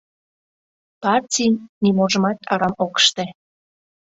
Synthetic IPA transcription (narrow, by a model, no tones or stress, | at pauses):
pɑrtʲinnimoʒə̆mɑt̪ɑɾɑmokə̥ʃt̪e